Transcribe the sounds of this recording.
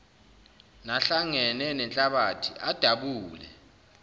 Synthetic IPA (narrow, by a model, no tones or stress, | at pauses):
naɬaŋɛnɛnɛnt͡ɬʼaɓatʰiʔad̥ʱaɓuːlɛ̰